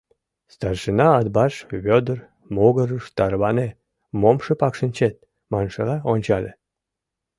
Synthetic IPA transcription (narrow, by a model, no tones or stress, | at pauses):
st̪ɑrʃənɑːd̪̚bɑʃβʲød̪ər | moɣəɾəʃt̪ɑɾβɑne | momʃəpɑkʃənt͡ɕet̪̚ | mɑnʃəlɑonʲt͡ɕɑlʲe